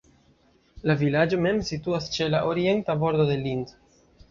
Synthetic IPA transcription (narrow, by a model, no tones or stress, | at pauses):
lavilad͡ʒo̞me̞msituast͡ʃe̞laʔoɾie̞ntabo̞ɾd̪o̞d̪e̞lind̪